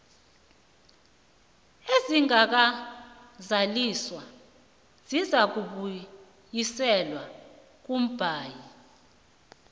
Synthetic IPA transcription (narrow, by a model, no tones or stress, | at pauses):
eziŋak̬a | zaliswa | z̥izak̬uɓu | jisɛlwa | k̬ʼum̩b̥ʱaːji